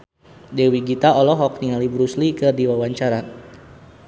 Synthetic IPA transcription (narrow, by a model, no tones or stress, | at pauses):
dɛwiɡit̪aɔlɔɦɔk̚niŋalibɾuslikɨrdiwawaɲt͡ʃaɾa